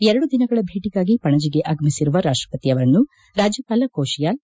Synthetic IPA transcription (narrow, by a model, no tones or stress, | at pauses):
ɛɾɐɽud̪inɐɡɐɭɐbʱeːʈiɡaːɡipɐɳɐd͡ʒiɡe̞ʔaːɡɐmisiɾuʋɐɾaːʂʈɾɐpɐt̪iɐʋɐɾɐnːu | ɾaːd͡ʒjɐpaːlɐkoːʃijaːl